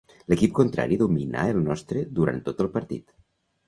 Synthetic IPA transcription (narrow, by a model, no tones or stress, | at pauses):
ləkip̚kunt̪ɾa̰ɾiðuminʔa̰əlˠnɔst̪ɾəðuɾa̰nt̪ːot̪əlˠpəɾt̪ḭt̪